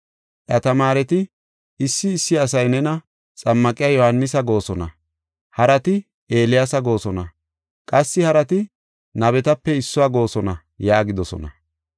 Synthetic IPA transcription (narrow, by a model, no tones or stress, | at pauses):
ʔɐt̪ɐmaːɾɛt̪ɪ | ɪsːɪːsːɪɐs̬ɐjnɛnɐ | t͡sʼɐmːɐkʼɪjajɔhɐnːɪsɐɡo̞ːsɔnɐ̰ | hɐɾɐt̪ɪ | e̞ːlɪjasɐɡo̞ːsɔnɐ | kʼɐsːɪhɐɾɐt̪ɪ | nɐbɛt̪ɐpːɛɪsːʊwaːɡo̞ːsɔnɐ | jaːɡɪd̪ɔsɔ̰nɐ̰